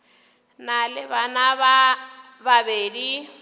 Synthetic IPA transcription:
nalɪβanaβa | babeːdi

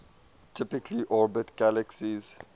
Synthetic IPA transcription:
tʰɪpɪkliʔɔɹbɪtɡ̥æləksiz

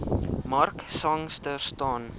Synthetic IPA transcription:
mɐrksɐŋstərstɑːn

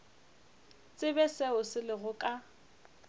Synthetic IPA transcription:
t͡sʼɪbɛsɛʊsɪlɪɣʊkʼa

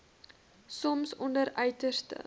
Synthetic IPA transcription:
sɔmsɔndəɾœɥtərstə̰

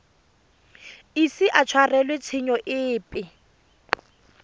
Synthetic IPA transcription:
isiʔat͡ʃʰwarɛlwet͡sʰɪɲɔʔɪːpʼɪ

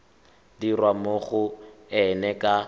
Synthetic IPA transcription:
dirwamoɣʊɛnɛkʼa

